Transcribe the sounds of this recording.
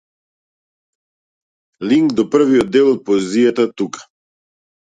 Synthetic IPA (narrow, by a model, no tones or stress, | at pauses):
liŋɡd̪ɔpr̩viɔd̪ɛlˠɔt̪̚pɔɛzijat̪at̪ukḁ